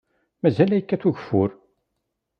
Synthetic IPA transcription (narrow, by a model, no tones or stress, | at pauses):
mæzælæjəkːæθuʝəfʊ̰ɾ